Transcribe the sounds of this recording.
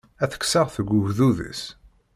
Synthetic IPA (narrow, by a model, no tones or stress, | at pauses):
æθə̥ksəʁθəɡʊvðuðə̰s